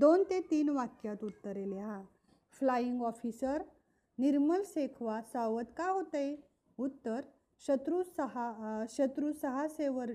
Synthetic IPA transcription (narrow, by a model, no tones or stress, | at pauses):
d̪ont̪et̪iːnʋakjat̪ut̪ːəɾeleɦã | flaiŋɡɔfisəɾ | niɾməlsekʰʋasaʋət̪kaɦot̪əj | ut̪ːəɾ | ɕət̪ɾusəɦaɕət̪ɾusəɦaseʋəɾ